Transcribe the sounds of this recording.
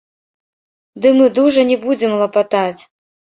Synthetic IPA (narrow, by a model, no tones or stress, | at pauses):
d̪ɨmɨd̪uʐɐnʲɛbud͡zʲɪmlˠɐpat̪at͡sʲ